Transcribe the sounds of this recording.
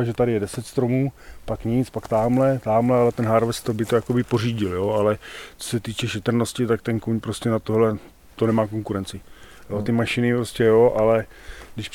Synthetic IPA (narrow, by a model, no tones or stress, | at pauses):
aʒɛt̪adɪjɛdɛsɛt̪st̪ɾo̞muːpakɲɪt͡spakt̪aːmlɛt̪aːmlɛalɛt̪ɛnɦaɾvɛst̪obɪt̪o̞jakobɪpo̞riːɟɪljo̞alɛt͡so̥sɛt̪iːt͡ʃɛʃɛt̪r̩no̞scɪt̪akt̪ɛnkuɲpɾo̞scɛnat̪oɦlɛ | t̪o̞nɛmaːko̞ŋkuɾɛnt͡sɪ | jot̪ɪmaʃɪnɪpɾo̞scʲɛjoʔalɛ | dɪʃp